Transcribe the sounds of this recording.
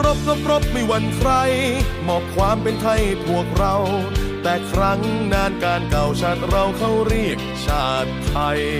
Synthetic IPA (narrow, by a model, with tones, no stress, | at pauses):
ɾo˦˥p̚ɾo˦˥p̚ɾo˦˥p̚ma˧˩jwa˧˩nkʰɾa˧jmɔː˨˩p̚kʰwaː˧mpe˧nt̪ʰa˧˩jbu˨˩ək̚ɾa˧wt̪ɛː˨˩kʰɾa˦˥ŋnaː˧nkaː˧nka˨˩wt͡ɕʰa˦˥nɾa˧wkʰa˥˩wɾi˥˩ək̚t͡ɕʰaː˧˩t̪̚pʰa˧j